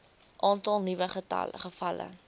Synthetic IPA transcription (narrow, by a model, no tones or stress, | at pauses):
ʔɑːntɐlˠnivəχətɐ̰ləχəfɐlə̰